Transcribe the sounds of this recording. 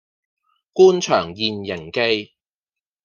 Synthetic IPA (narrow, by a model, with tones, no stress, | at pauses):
kuː˥nt͡ʃʰœː˨˩ŋjiː˨njɪ˨˩ŋke˧j